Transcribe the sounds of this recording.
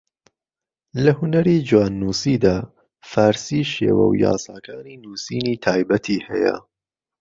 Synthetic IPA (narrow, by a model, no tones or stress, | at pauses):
lɐhʊnɐɾiːd͡ʒuwaːnːuːsiːd̪aː | faːɾsiːʃḛːwɐ̰wja̰ːsaːkaːniːnuːsiːniːt̪ʰaːjbɐt̪ʰiːhɐjɐ̰